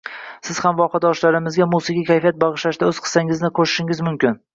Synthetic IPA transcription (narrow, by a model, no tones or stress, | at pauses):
sɪz̥hamvɒqɑd̪ɒʃlaɾɪmɪzɡʲamusɪɡʲakʲʰajfijat̪̚bɑʁɨʃlaʃd̪aɵzqʰɨ̥saŋɪznɪqʰoʃɪ̥ʃɪŋɪzmʊmkʲɪn